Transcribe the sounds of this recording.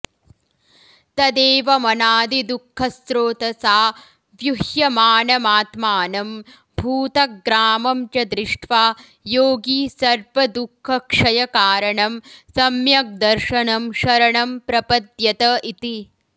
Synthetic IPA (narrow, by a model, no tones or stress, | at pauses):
t̪ɐd̪eːʋɐmɐnaːd̪id̪ukʰːɐsɾoːt̪ɐsaː | ʋjuhjɐmaːnɐmaːt̪maːnɐm | bʱuːt̪ɐk̚ɡɾaːmɐmt͡ʃɐd̪ɾɪʂʈʰʋaː | joːɡiːsɐɾʋɐd̪ukʰːɐkʂɐjɐkaːɾɐɳɐmsɐmjɐk̚d̪ɐɾʃɐɳɐmʃɐɾɐɳɐmpɾɐpɐd̪jɐt̪ɐit̪i